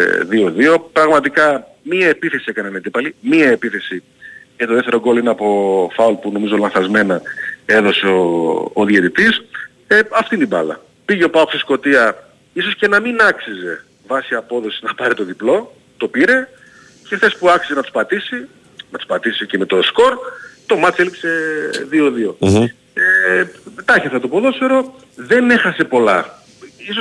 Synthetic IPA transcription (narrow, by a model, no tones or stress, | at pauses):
ðio̞ðio̞pɾɐɣmɐt̪ikɐ | miɐepiθe̞sie̞kɐnened̪ipɐlimiɐepiθe̞si | et̪o̞ðeft̪eɾo̞ɡo̞loineɐpo̞fɐulpuno̞mizo̞lɐ̃nθɐzme̞nɐe̞ðo̞seoːðjet̪it̪is | eɐft̪int̪ibɐ̰lɐ̰ | piʝeopɐoosisko̞t̪iɐ | iso̞sce̞nɐminɐksize̞ | vɐsiɐpo̞ðo̞si̥znɐpɐɾit̪o̞ðiplo̞ | t̪o̞piɾe̞ | ce̞xθe̞spuɐksizenɐt̪u̥spɐt̪isi | nɐt̪u̥spɐt̪isiceme̞t̪o̞sko̞ɾt̪o̞mɐt͡selikse̞ðioðio̞ | et̪ɐçefθɐt̪opoðo̞seɾo̞ | ðe̞ne̞xɐse̞po̞lɐ̰ | iso